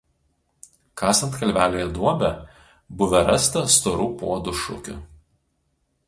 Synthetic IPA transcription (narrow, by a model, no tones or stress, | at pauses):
kɑːsɐnt̪kɐlʲʋʲæːlʲeːjɛd̪uɔbʲɛ | bʊʋʲɛɾɐst̪ɐst̪ɔɾuːpuɔd̪ʊʃʊ̰kʲʊ̰